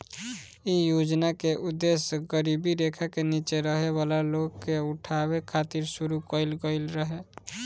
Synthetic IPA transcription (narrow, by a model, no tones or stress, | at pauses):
ijod͡ʒnakeʔud̪ːesɡəɾibiɾekʰakenit͡ʃeɾəɦebalaloɡkːeuʈʰabekʰat̪iɾsuɾukəilɡəɪlɾəɦe